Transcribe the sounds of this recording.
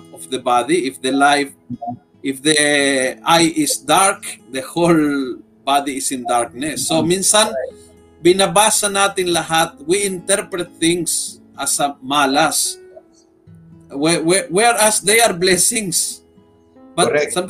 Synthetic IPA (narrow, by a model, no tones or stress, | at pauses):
ofðebaðiifðelajf | ifðe | ajisd̪aɾkðehol | baðiːsĩnd̪aɾknesːomĩnsãn | binabasanat̪ĩnlahat̪̚wĩːnt̪eɾpɾet̪̚θĩŋs | asamalas | weweweɾasðejaɾblesĩŋs | basa